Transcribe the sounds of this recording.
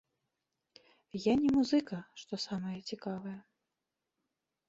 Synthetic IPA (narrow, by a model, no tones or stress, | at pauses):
janʲɛmuzɨkɐʂt̪ɔsamɐjɐt͡sʲikavɐjɐ